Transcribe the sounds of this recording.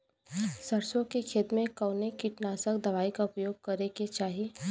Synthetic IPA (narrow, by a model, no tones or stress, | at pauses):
sɐɾsõkekʰeːt̪mẽkəːnekiʈnaːsəkd̪ɐʋaːikaʊpjoːɡ̚kɐɾeket͡ʃaːɦi